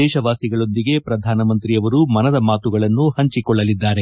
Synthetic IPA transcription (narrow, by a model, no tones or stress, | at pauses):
ɛːʃɐʋaːsiɡɐɭo̞nd̪iɡe̞pɾɐd̪ʱaːnɐmɐnt̪ɾijɐʋɐɾumɐnɐd̪ɐmaːt̪uɡɐɭɐnːuhɐɲt͡ʃikɔɭːɐlid̪ːaːɾe̞